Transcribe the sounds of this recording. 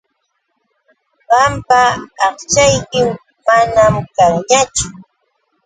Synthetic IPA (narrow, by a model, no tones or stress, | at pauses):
ɢɑmpaːχt͡ʃajkɪm | manamkaŋɲat͡ʃʊ